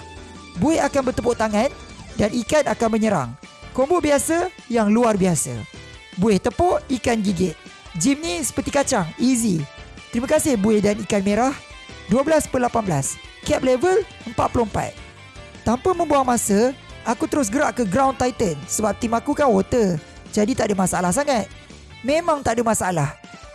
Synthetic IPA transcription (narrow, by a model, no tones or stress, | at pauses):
buɪhakanbərt̪əpʊʔt̪aŋãndanikanakanməɲəɾa̰ŋkombʊbiasa | jaŋluarbiasa̰ | buɪht̪əpɔʔikanɡiɡɪt̪̚ | d͡ʒimnĩsə̥pərt̪ikat͡ʃaŋizit̪əɾimakasɪhbuɪhdanikanmeɾah | duabəlaspəlapanbəlas | kɛp̚levəl | əmpat̪̚puloəmpa̰t̪̚ | t̪ampamə̃mbuaŋmãsə | ʔakut̪əɾʊs̬ɡəɾaʔkəɡɾawnt̪ajt̪ənsəbap̚t̪imakukanwot̪ə | d͡ʒadit̪aʔdəmasaalahs̬aŋat̪̚ | mẽmãŋt̪aʔdəmãsaalah